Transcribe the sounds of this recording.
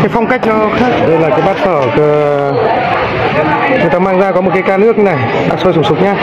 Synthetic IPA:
kaː˨˦jfɔ˧wŋ͡mka˦˥jk̟̚nɔ˨˧˦xaː˦˥k̚ɗə˧jlaː˨˩kaː˨˦jɓaː˦˥t̚t̪ʰəː˧˩kɨ˨˦ | ɲə˨˩t̪aː˧maː˧ŋzaː˧kɔ˨˦mo˨˩t̚ka˨˦kaː˧nɨ˦˥ək̚ɲ˧na˨˩j | ɓa̰ː˧˥so˧jsʊ˨˧˩ŋ͡msʊ˨˦˥k͡p̚ɲaː˧

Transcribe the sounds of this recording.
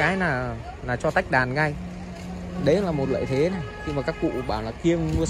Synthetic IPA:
aː˨˦jnaː˨˩ | naː˨˩t͡ɕɔ˧t̪a˦˥jk̟̚ɗaː˨˩nɣa˧j | ɗə˨˦laː˨˩mo˨˩t̚lə̰ː˧˨jt̪ʰe˨˦na˨˩jɲɨ˧maː˨˩kaː˦˥k̚kṵ˧˨ɓaː˧˩wlaː˨˩ki˧əmmɨ˧ə

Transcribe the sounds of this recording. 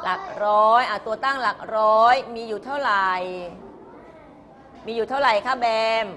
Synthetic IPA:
la˨˩k̚ɾɔː˦˥jʔa˨˩t̪u˧ɐt̪aː˥˩ŋlaː˨˩k̚ɾɔː˦˥jmiː˧juː˨˩t̪ʰa˥˩wɾa˨˩j | miː˧juː˨˩t̪ʰa˥˩ɾa˨˩jkʰa˦˥bɛː˧m

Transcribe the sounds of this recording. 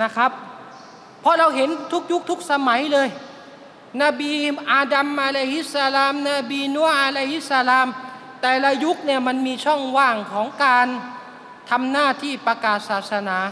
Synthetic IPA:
na˦˧˥kʰa˦˥p̚ʰː | ɔ˧˥ɾa˧wɦe˨˦nt̪ʰu˦˥k̚ju˦˥k̚t̪ʰu˦˥k̚sa˧ma˩˦jlɤː˧j | na˧biː˧ʔaː˧da˧mʔaː˧la˧hi˦˥t̪̚sa˧laː˧mna˧˩biː˧nu˧˥ɐ˨ʔaː˧la˧hi˦˥t̪̚sa˧laː˧m | t̪ɛː˨˩la˧ju˦˥k̚ni˧˩ɐma˧˥˨nmiː˧t͡ɕʰɔ˥˩ŋwaː˧˥˩ŋkʰɔː˩˦ŋkaː˧n | t̪ʰa˧mnaː˥˩t̪ʰiː˥˩pa˧kaː˨˩t̪̚saː˨˩t̪̚sa˧naː˩˦

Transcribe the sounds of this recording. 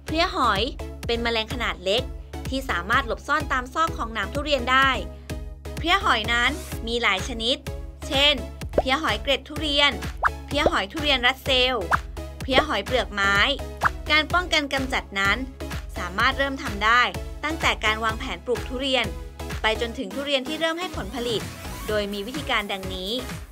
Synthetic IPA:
pʰɾi˦˥əɦɔ˨˩˦jpe˧nma˧lɛː˧ŋkʰa˧naː˨˩t̪̚le˦˥k̚t̪ʰiː˥˩saː˩˦maː˥˩t̪̚lo˨˩p̚sɔː˥˩nt̪aː˧msɔː˥˩kʰːɔː˩˦ŋnaː˩˦mt̪ʰu˥˩ɾi˧əndaː˥˩j | pʰɾi˦˥əɦɔ˨˩˦jna˦˥nmiː˧laː˩˦jt͡ɕʰa˧ni˦˥t̪̚t͡ɕʰe˥˩npʰi˦˥əɦɔ˩˦jkɾe˨˩t̪ʰːuː˥˩ɾi˧ənpʰi˦˥əɦɔ˩˦jt̪ʰuː˥˩ɾi˧ənɾa˦˥t̪̚se˧wpʰi˦˥əɦɔ˨˩˦jplɯ˨˩ək̚maː˦˥jkaː˧npɔ˥˩ŋka˧nka˧mt͡ɕa˨˩t̪̚na˦˥nsaː˩˦maː˥˩t̪̚ɾɤː˥˩mt̪ʰa˧mdaː˥˩jt̪a˥˩ŋt̪ɛː˨˩kaː˧nwaː˧ŋpʰɛː˩˦npɾuː˨˩k̚t̪ʰuː˥˩ɾi˧ənpa˧jt͡ɕo˧nt̪ʰɯ˩˦t̪ʰuː˥˩ɾi˧ənt̪ʰiː˥˩ɾɤː˥˩mɦa˥˩jpʰo˩˦npʰa˧li˨˩t̪̚doː˧jmiː˧wt̪ʰiː˧kaː˧ndɛ˧ŋniː˦˥

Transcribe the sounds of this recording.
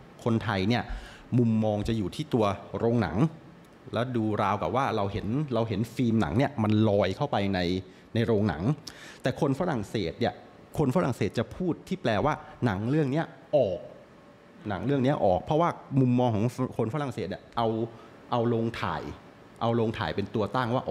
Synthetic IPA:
kʰo˧nt̪ʰa˧jni˥˩ɐ | mu˧mːɔː˧ŋt͡ɕa˨˩juː˨˩t̪ʰiː˥˩t̪u˧ɐɾoː˧ŋna̰˩˦ŋ | lɛː˦˥wduː˧ɾaː˧wka̰˨˩p̚waː˥˩ɾa˧wɦe˩˦nɾa˧wɦe˩˦nfiː˧mna̰˩˦ŋni˥˩ɐma˧nlɔː˧jkʰa˥˩wpa˧jna˧j | na˧jɾoː˧ŋna̰˩˦ŋt̪ɛː˨˩kʰo˧nfaː˦˧ɾa˨˩ŋseː˨˩t̪̚ni˥˩ə | kʰo˧nfa˦˥ɾa˨˩ŋseː˨˩t̪̚t͡ɕa˨˩pʰuː˥˩t̪ʰːiː˥˩plɛː˧waː˥˩na˩˦ŋɾɯ˥˩əŋni˦˥ɐʔɔː˨˩k̚ | na˩˦ŋɾɯ˥˩əŋni˦˥ɐʔɔː˨˩k̚pʰɾɔ˦˥waː˥˩mu˧mːɔː˧ŋkʰɔː˩˦ŋkʰo˧nfa˦˥ɾa˨˩ŋse˨˩t̪̚ni˥˩ʔa˧w | ʔa˧wloː˧ŋt̪ʰa̰ː˨˩j | ʔa˧wloː˧ŋt̪ʰa̰ː˨˩jpe˧nt̪u˧ɐt̪aː˥˩ŋwaː˥˩ʔɔː˨˩

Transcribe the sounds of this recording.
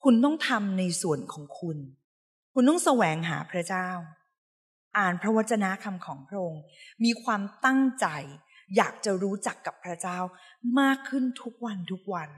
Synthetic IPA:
kʰu˧nt̪ɔ˥˩ŋt̪ʰa˧mna˧jsu˨˩ənkʰɔː˩˦ŋkʰu˧n | kʰu˧nt̪ɔ˥˩ŋsa˧wɛː˨˩˦ŋɦa̰ː˩˦pʰɾa˦˥t͡ɕaː˥˩w | ʔaː˨˩npʰɾa˦˥wa˦˥t̪̚t͡ɕːa˧na˦˥ʔkʰa˧mkʰɔː˩˦ŋpʰɾa˦˥ʔo˧ŋmiː˧kʰwaː˧mt̪a˥˩ŋt͡ɕa˧j | jaː˨˩k̚t͡ɕa˨˩ɾuː˦˥t͡ɕa˨˩kːa˨˩pʰːɾa˦˥t͡ɕaː˥˩w | maː˥˩kʰːɯ˥˩nt̪ʰu˦˥k̚wa˧nt̪ʰu˦˥k̚wa˧n

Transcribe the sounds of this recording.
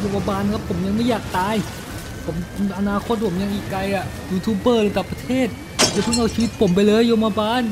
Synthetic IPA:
jo˧ma˧baː˧n˧kʰa˦˥pʰːo˩˦mja˧ŋma˥˩jaː˨˩k̚t̪aː˧j | pʰo˩˦mʔa˧naː˧˩kʰo˧˦˥t̪̚pʰo˩˦ja˧ŋʔiː˨˩kːɾa˧jʔa˨˩ | juː˧t̪ʰuː˧˥bɤː˥˩ɾːt̪aː˨˩pɾa˧t̪ʰeː˥˩t̪̚ | pʰo˨˩˦mt͡ɕa˧t̪ʰa˥˩ŋk̪a˧˩t͡ɕʰiː˧wi˦˥t̪̚pʰo˨˩˦mp̬a˧jlɤː˧jo˧ma˧baː˧n

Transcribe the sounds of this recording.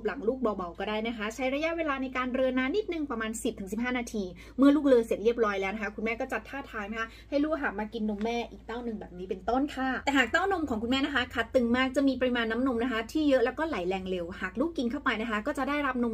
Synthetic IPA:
p̚la˩˦ŋluː˥˩k̚bɔː˧˩ba˨˩wkɔː˥˩daː˥˩jna˦˥kʰa˦˥t͡ɕʰa˦˥jɾa˧ja˦˥ʔweː˧laː˧na˧jkaː˧nɾɤ˧nːaː˦˥ni˦˥t̪̚nɯ˨˩ŋpɾa˧maː˧nsi˨˩p̚t̪ʰɯ˩˦ŋsi˨˩p̚ɦaː˥˩naː˧t̪ʰiː˧ | mɯ˥˩ɐluː˥˩k̚lɤː˧se˨˩t̪̚ɾi˥˩əp̚ɾɔː˦˥jlɛː˦wna˦˥kʰa˦˥kʰu˧nmɛː˥˩kɔː˥˩t͡ɕa˨˧˩t̪ʰːaː˥˩t̪ʰaː˧ŋna˦˥kʰa˦˥ha˥˩jluː˥˩k̚ɦaː˨˩k̚maː˧ki˧nːo˧mːɛː˥˩ʔiː˨˩k̚t̪aː˥˩wnɯ˨ŋbɛː˨˩p̚niː˦˥pe˧nt̪o˥˩nk̪ʰaː˥˩t̪ɛː˨˩ɦaː˨˩k̚t̪aː˥˩wno˧mkʰɔː˩˦ŋkʰu˧mɛː˥˩na˦˥kʰa˦˥kʰa˦˥t̪ːɯ˨˧ŋmaː˥˩k̚t͡ɕa˨˩ʔmiː˧p̬a˧ɾi˧maː˧nːa˦˥mno˧mna˦˥kʰa˦˥t̪ʰiː˥˩jɤ˦˥ʔlɛ˦˥wkɔː˥˩la˨˩˦jlɛː˧ŋle˧whaː˨˩k̚luː˥˩kːi˧nkʰa˥˩wpa˧jna˦˥kʰa˦˥kɔː˥˩t͡ɕa˨˩ʔdaː˥˩jɾa˦˥p̚no˧m

